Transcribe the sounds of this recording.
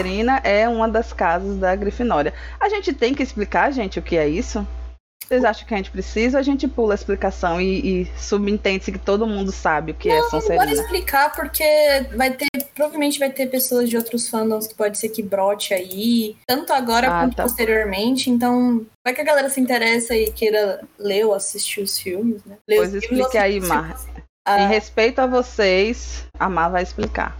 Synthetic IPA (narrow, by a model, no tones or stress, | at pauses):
eɾĩnɐʔɛũmɐd̪ɐskazɐzd̪ɐɡɾifinɔɾɐɐʒẽnt͡ʃɪt̪ẽj̃kɪɪsplikaɾʒẽnt͡ʃɪʊkɪɛisʊ | sejzaʃɐ̃kɪɐʒẽnt͡ʃɪ̥pɾesizɐɐʒẽnt͡ʃɪpulɐɪsplikasɐ̃w̃ɪːsubĩt̪ẽnd͡ʒɪsɪkɪt̪od̪ʊmũnd̪ʊsabɪʊkɪɛ̃sɐ̃eɾbɔiɾisplikʰapoɾkʰevajt̪eɾpɾɔbavemẽnt͡ʃɪvajt̪eɾpesoɐzd͡ʒɪowt̪ɾʊsfɐ̃nd̪ɐ̃w̃skɪ̥pɔd͡ʒɪseɾkɪbɾɔt͡ʃɪait̪ɐ̃nt̪ʊaɡɔɾɐkkwɐ̃t̪ʊpost̪eɾioɾmẽnt͡ʃɪẽnt̪ɐ̃w̃sɾakɪɐɡalɛɾɐsɪĩnt̪eɾɛsɐɪkejɾɐleʊasist͡ʃiʊsfiwmɪsnɛlepojzisplikaimma | aẽhespejt̪ʊavosejsamavajɪsplika̰